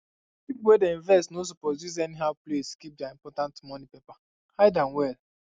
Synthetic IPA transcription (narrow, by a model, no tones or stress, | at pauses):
pipowedeĩnvɛstnosupɔduz̬ɛniɦaʊpleskip̚dɛaĩmpɔtãntmɔnipepa | haɪdãnwɛl